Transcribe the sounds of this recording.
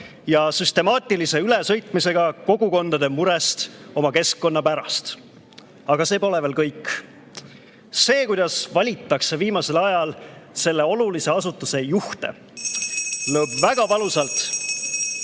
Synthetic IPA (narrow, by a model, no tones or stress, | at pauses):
jɑsyst̪e̞mɑːt̪ʲˑilise̞ylesɤjt̪ˑmise̞ɡ̥ɑko̞ɡuko̞nd̪̥ɑd̪̥e̞muɾe̞st̪o̞mɑke̞skːo̞nːɑpæɾɑst̪ | ɑɡ̥ɑse̞ːpo̞leve̞ːlkɤjkː | se̞ːkujd̪ɑsvɑlʲit̪ːˑɑkse̞viːmɑse̞lɑjɑlse̞lːe̞o̞lulise̞ɑsut̪ːˑuse̞juht̪e̞̰ | lɤːbvæɡ̥ɑvɑlusɑlt̪